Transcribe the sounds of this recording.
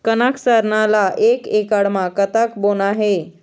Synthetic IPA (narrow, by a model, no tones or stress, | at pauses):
kənaksəɾɳalaʔekekaɽmakət̪akbonaɦe